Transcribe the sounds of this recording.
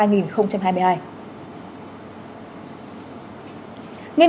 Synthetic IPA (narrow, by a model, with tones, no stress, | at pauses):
aː˧jŋi˨˩nxə˧wŋ͡mt͡ɕa˧mɦaː˧jmɨ˧əhaː˧j | ŋi˧